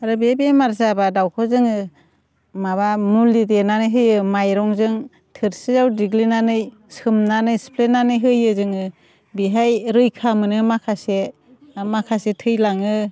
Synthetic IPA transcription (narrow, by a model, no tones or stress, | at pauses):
aɾɯbebemaɾzabadawkʰɔzɯŋɯ | maβamuldidenanɯjɦɯjɯmajɾɔŋzɯŋ | tʰɯɾsizawdiɡlinanɯj | sɯmnanɯjspʰlenanɯjɦɯjɯzɯŋɯ | biɦajɾɯjkʰamɯnɯmakʰase | makʰasetʰɯjlaŋɯ